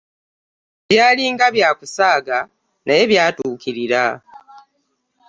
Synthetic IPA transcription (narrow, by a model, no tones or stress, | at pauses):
βjaːliːŋɡaβjaːkusaːɡa | naje̞βjaːtuːkiɾiɾa